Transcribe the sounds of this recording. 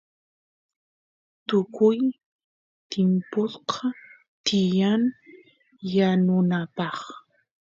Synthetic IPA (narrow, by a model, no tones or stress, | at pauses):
t̪ʊkʊj | t̪ɪmpolqʰɑ | t̪ɪjan | janʊnapɑχ